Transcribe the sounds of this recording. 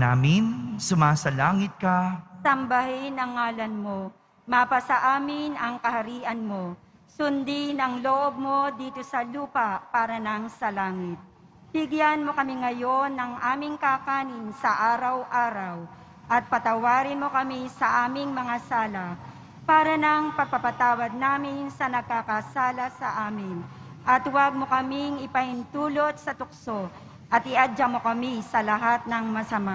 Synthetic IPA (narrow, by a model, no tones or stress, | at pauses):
naːmɪnsʊmaːsɐlaːŋɪt̪̚kɐsɐmbɐhɪnɐŋːaːlɐnmo̞ | mapɐsɐʔaːmɪnɐŋkɐhɐɾiːʔɐnmo̞ | sʊnd̪inɐŋloʔob̚mo̞d̪iːt̪o̞sɐluːpɐpaːɾɐnɐŋsɐlaːŋɪt̪̚ | b̥ɪɡjanmo̞kɐmɪŋɐjo̞nːɐŋʔaːmɪŋkakaːnɪnsɐʔaːɾɐwʔaːɾɐw | ʔɐt̪̚pɐt̪ɐwaːɾɪnmo̞kɐmisɐʔaːmɪŋmɐŋasaːlɐ | paːɾɐnɐŋpɐɡ̚pɐpɐt̪aːwɐd̪̚naːmɪnsɐnɐɡ̚kakɐsaːlɐsɐ̰ʔaːmɪn | ʔɐt̪wɐɡ̚mo̞kɐmɪŋɪpɐhɪnt̪uːlo̞t̪̚sɐt̪ʊk̚so | ʔɐt̪ʔɪʔad͡ʒamo̞kɐmisɐlɐɦat̪̚nɐŋmɐsɐma